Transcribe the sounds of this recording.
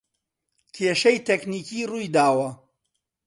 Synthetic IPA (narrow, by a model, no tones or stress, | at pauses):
kʰeːʃɐjt̪ʰekniːkiːrujd̪aːwɐ